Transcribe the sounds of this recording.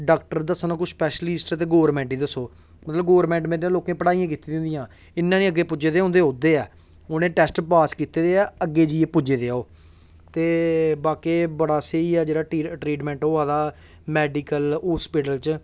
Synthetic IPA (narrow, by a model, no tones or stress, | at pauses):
ɖaːk̚ʈəɾd̪əsənãːkʊʃspɛːʃlɪsʈt̪̬eːɡoːəɾmɛ̃ːɳʈiːd̪əsoː | mət̪ləbɡoːəɾmɛ̃ːɳʈmẽːɾãːloːkẽːpəɽaːijãːk̬iːt̪ːiːd̪̃nd̪ɪjãː | ɪnːãːnĩːəɡːeːpʊd͡ʒeːd̪eːɦõnd̪eːɦõːd̪eːɛː | oːnẽːʈɛːsʈpaːskiːt̪eːd̪eːɛːəɡːeːd͡ʒiːeːpʊd͡ʒeːd̪eːaːoː | t̪eːbaːkeːbəɽaːseiːɛːd͡ʒeːɽaːʈɾiːʈmɛ̃ːɳʈoːaːd̪aː | mɛːɖiːkəlɦoːspɪʈəlt͡ʃ